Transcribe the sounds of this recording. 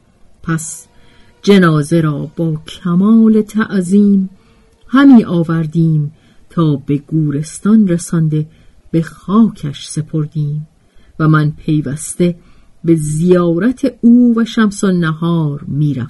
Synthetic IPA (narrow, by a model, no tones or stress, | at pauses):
pʰæs | d͡ʒe̞nɒːze̞ɾɒːb̥ɒːcʰæmɒːle̞t̪ʰæʔziːm | hæmiːʔɒːvæɾd̪iːm | t̪ʰɒːbe̞ɡuːɾe̞st̪ɒnɾesɒnd̪e̞ | b̥e̞xɒːcʰæʃse̞pʰo̞ɾd̪iːm | væmænpʰe̞jvæst̪e̞ | be̞zijɒːɾæt̪ʰe̞uːvæʃæmsonːæɦɒːɾmiːɾæ̰f